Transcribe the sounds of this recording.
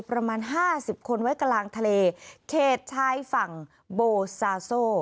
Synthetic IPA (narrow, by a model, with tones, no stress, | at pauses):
pɾa˧maː˧nɦaː˥˩si˨˩p̚kʰo˧nwa˦˥jka˧laː˧ŋt̪ʰa˧leː˧kʰeː˥˩t̪̚t͡ɕʰaː˧˥jfa˨˩ŋ | boː˧saː˧soː˥˩